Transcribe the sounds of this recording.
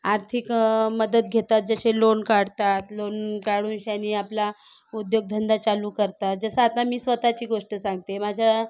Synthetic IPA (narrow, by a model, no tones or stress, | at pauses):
aɾt̪ʰikməd̪ət̪̚ɡʱet̪at̪̚d͡zəɕelonkaɽt̪at̪lonkaɽuːnɕanːiːapla | ud̪joɡ̚d̪ʱənd̪at͡saluːkəɾt̪at̪̚d͡zəsəat̪amiːsʋət̪at͡ɕiːɡoʂʈəsãŋɡt̪emad͡ʑʱa